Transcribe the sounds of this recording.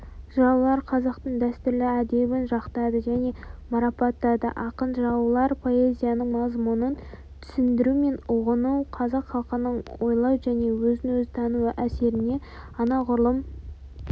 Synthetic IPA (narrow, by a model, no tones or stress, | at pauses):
ʒɑlˠɑɾqʰɑzɑqt̪əɴd̪æst̪ʏɾlɪæd̪e̞bɪnʒɑqt̪ɑd̪əʒæne̞mɑɾɑpɑt̪ːɑd̪ə̰ʔɑqənʒɑwəlˠɑɾpʰo̞e̞zʲijanəɴmɑzmʊnən | t̪ʰʏ̥sɪnd̪ɪɾume̞nʊʁənuwqʰɑzɑqχɑlˠqənəɴwo̞jlˠɑwʒæne̞wɵzɪnwɵzɪt̪ʰɑnuwəʔæse̞ɾɪne̞ | ɑnɑʁʊɾlˠəm